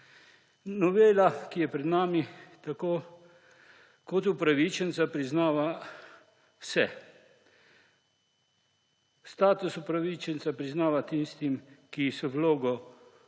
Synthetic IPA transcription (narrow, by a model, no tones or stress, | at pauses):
nɔʋeːlakijɛpɾɛd̪naːmit̪akoː | kɔt̪upɾaʋit͡ʃənt̪sapɾiznaːʋa | wsɛ | st̪aːt̪usupɾaʋit͡ʃɛnt̪sapɾiznaːʋat̪inst̪imkisɔwloːɡɔ